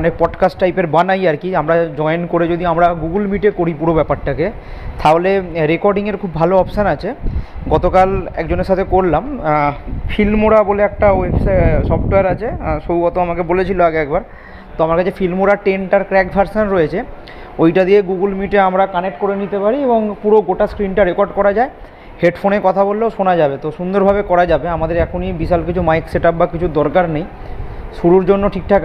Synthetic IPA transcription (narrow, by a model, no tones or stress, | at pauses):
ɔnek̚pɔɖkasʈʈajpeɾbanajaɾkiamɾad͡ʑɔenkoɾed͡ʑod̪iamɾaɡuɡulmiʈekoɾipuɾobɛpaɾʈake | t̪aɦoleɾekɔɾɖiŋeɾkʰubːʱaloɔpʃanat͡ɕʰeɡɔt̪okalɛ̰kd͡ʑoneʃat̪ʰekoɾlam | filmoɾaboleɛk̚ʈaefsasɔpʈoeaɾat͡ɕʰeʃowkɔt̪oamakebolet͡ɕʰiloaɡeɛk̚baɾ | t̪oamaɾkat͡ɕʰefilmoɾaʈeɳʈaɾkɾɛkbʱaɾsanɾojet͡ɕʰe | ojʈad̪ieɡuɡulmiʈeamɾakanek̚ʈkoɾenit̪epaɾieboŋpuɾoɡoʈaskɾinʈaɾekɔɾɖkɔɾad͡ʑae | heɖfʰonekɔt̪ʰabolːeoʃonad͡ʑabet̪oʃund̪oɾbʱabekɔɾad͡ʑabeamad̪eɾɛkʰonibiʃalkit͡ɕʰumajkseʈap̚bakit͡ɕʰud̪ɔɾkaɾnej | ʃuɾuɾd͡ʑonːoʈʰik̚t̪ʰak